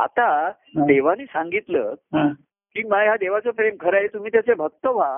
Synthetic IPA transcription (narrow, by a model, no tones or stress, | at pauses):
a̰t̪a | d̪eʋ̤aniːsãŋɡit̪ləːɦ | kimaɡɦjad̪eʋ̤at͡sofɾemkʰəɾaɦet̪um̤iːt̪jat͡sebʱək̚t̪əʋ̤a